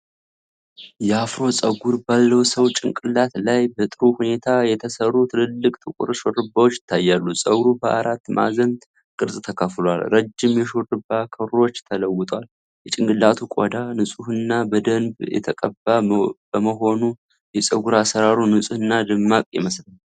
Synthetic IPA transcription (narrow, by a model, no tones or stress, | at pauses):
jɛafɾo̞sʼəɡuɾbalːəwsəwt͡ʃʼɪŋkʼɨlːat̪lajbət̪ʼɨɾuhune̞t̪ʰajɛt̪ʰəsərːut̪ʰɨlɨlːɨkʼt̪ʰʼɨkʷʼʊ̰ɾʃorɨbːawot͡ʃːjɪ̥t̪ʰːajːalːusʼəɡɾubəʔa̰ɾat̪ːma̰zənd̪ | kʼɨɾsʼt̪ʰəkʰəflwalɾəd͡ʒːɪmjɛʃorɨbːakʰəɾo̞t͡ʃːt̪ʰələwːɨt̪ʼwal | jɛt͡ʃʼɪŋɡʼɨlːat̪ʰukʼo̰d̪anɨsʼuhɨnːabəd̪ənbjɛ̰t̪ʰəkʼəbːabəməɦo̞nu | jɛsʼəɡuɾasəɾaɾunɨsʼuhɨnːad̪ɨmːakʼjɛ̰məslən